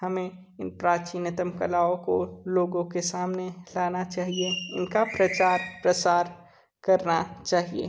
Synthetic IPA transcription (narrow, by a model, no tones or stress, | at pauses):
ɦɐmẽ | ɪnpɾaːt͡ʃinɪt̪əmkɐlaːõko̰loːɡõkesaːmnelaːnat͡ʃaːɦieɪnkapɾɐt͡ʃaːɾpɾəsaːɾ | kɐɾnat͡ʃaːɦiḛ